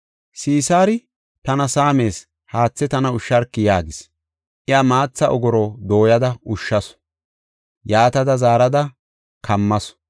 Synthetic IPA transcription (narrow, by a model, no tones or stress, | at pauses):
siːsaːɾɪ | t̪ɐnɐsaːme̞ːs | haːt͡sːɛt̪ɐnɐʊʃːɐɾkːɪjaːɡɪs | ʔɪamaːt͡sːɐʔɔɡɔɾɔd̪o̞ːjɐd̪ɐʊʃːɐs | jaːt̪ɐd̪ɐzaːɾɐd̪ɐ | kʰɐmːɐs